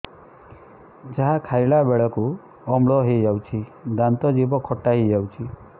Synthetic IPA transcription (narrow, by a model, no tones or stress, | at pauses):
d͡ʒaɦakʰajɭabeɭɔku | ɔmɭɔɦed͡ʒawt͡ʃʰid̪ant̪ɔd͡ʒibɔkʰɔʈːaɦid͡ʒawt͡ʃʰi